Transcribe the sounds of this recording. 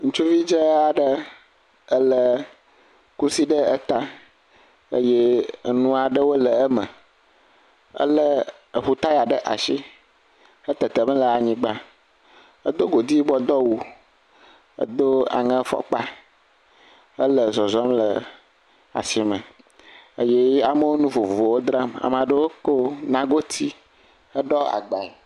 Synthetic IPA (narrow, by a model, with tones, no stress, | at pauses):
ŋũ˦t͡ʃu˦vi˦d͡ʒə˦a˨ɖə˦ | ə˦lə˨ | ku˦si˦ɖə˦ə˦t̪a˦ | ə̰˦jɛ˦˨nũ˦a˨ɖə˦wo˦lə˨ə˦mə̰̃˨ | ə̰˦lə˦ | ə˨ɸu˦t̪a˦ja˨ɖə˦ʔa̰˨ʃi˦ | ə˦t̪ə˨t̪ə˨mə̃˦lə˨a˨ɲĩ˦ɡ͡ba˦ | ə˦d̪o˦ɡo˨d̪i˦bɔ˦d̪ɔ˦wu˦ | ə̰˦d̪o˦a̰˨ŋə̃˦fɔ̰˦k͡pa˦ | ə˦lə˨zɔ˨zɔ˦mlə˨ | a̰˨si˨mə̃˨ | ə˦je˦a˨mə˦wo˦nũ˦vo˨vo˨vo˨wo˦d̪ɾa˦ma̰˨m˨a˨ɖə˦wo˦ko˦nã˦ɡo˦t̪ʰi˦ | ə˦ɖɔ˦a̰˨ɡ͡ba˨e˨